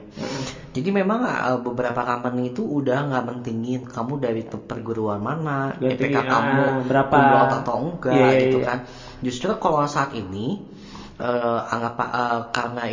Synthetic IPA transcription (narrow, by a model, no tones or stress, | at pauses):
d͡ʒadimemaŋ̰ə̰bəbəɾapakaməniːt̪uudahŋɡaʔmənt̪iŋɪnkamudaɾit̪pərɡuɾuanmanaapekakamubəɾaaat̪auɡaaiukan | d͡ʒust̪ɾʊkalasaːt̪ini | ʔəa̰ŋɡapa̰ʔəkaɾəna